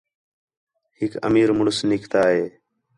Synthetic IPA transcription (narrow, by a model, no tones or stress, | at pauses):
hɪkə̰miːɾmʊɳʊsnɪkʰt̪aːɦeː